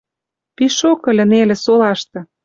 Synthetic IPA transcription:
piʃokɤ̆lʲɘ̆nelĕsolɑʃt̪ɤ̆

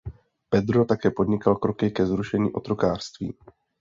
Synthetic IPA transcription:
pɛd̪ɾo̞t̪akɛːpo̞d̪ɲɪkalkɾo̞kɪkɛzɾuʃɛɲḭːʔo̞t̪ɾo̞kaːr̥st̪vḭː

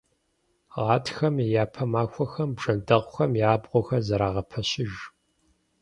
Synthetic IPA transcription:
ʁɑːtʰxɐmejaːpʰɐmaːxʷʰɔxɐmbʐɐndɐʁʷʊxɐmjaːbʁʷɔxɐzɐɾaːʁɐpʰɐɕɪʒ

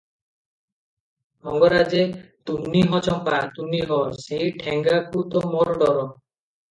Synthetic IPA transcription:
ɔŋɡɔɾad͡ʒet̪uniɦɔt͡ʃɔmpat̪uniɦɔseiʈʰeŋɡakut̪ɔmɔɾɔɖɔɾɔ

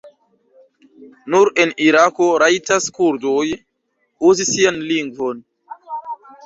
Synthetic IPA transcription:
nuɾe̞niɾako̞ɾajtaskuɾdoj | uzisianliŋɡvo̞n

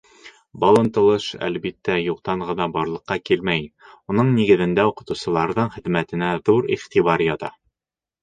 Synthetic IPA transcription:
bɒlˠɤ̆nt̪ɤ̆lˠɤʃæ̰lbit̪ːæjuq̚t̪ɑɴʁɤ̆nɑbɒɾlˠɤ̆qːɑkilmæjunɤɴniɡɘ̆ðɘ̆nd̪æuqɤ̆t̪ŭwsɤ̆lˠɑɾðɤɴχɘ̆ðmæt̪ɘ̆næðuɾiχt̪iβɑɾjɑt̪ɑ̰

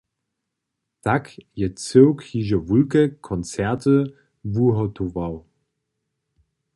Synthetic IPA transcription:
d̥akjət͡søʊkhiʒəvulkəkʰɔnt͡sɛɐtə | vuɦotʰovaʊ

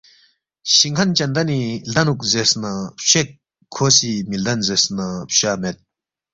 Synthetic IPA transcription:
ɕiŋkʰɐnt͡ʃɐnd̪ɐnilɐnuk̚zesnɐpɕek̚ʰː | osimild̪ɐnzesnɐpɕamet̪̚

